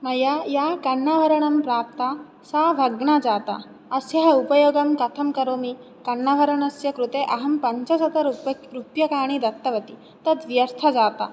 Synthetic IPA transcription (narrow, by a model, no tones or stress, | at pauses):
mɐjajakɐɳːaʋɐɾɐɳɐmpɾaːp̚t̪a | saːbʱɐɡɳad͡ʒaːt̪a̰ | ɐsjɐɦɐupɐjoːɡɐmkɐt̪ʰɐmkɐɾoːmi | kɐɳːɐʋɐɾɐɳɐsjɐkɾut̪eʔɐɦɐmpɐɲt͡ʃɐsɐt̪ɐɾɾupjɐkaːɽ̃id̪ɐt̪ːɐʋɐt̪i | t̪ɐd̪ʋjɐɾt̪ʰɐd͡ʒaːt̪a̰